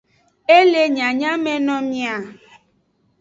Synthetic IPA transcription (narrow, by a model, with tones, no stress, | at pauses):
e˦le˦ɲa˨ɲa˦me˦nɔ˦mĩ˦a˨